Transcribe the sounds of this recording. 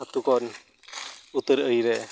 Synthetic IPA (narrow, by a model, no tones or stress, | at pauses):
at̪ukɔn | ut̪əɾəjɾɛ